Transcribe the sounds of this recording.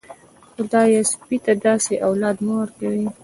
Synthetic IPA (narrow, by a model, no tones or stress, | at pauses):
xʊd̪ɑjespit̪ad̪ɑseʔawlɑd̪mawaɾkawi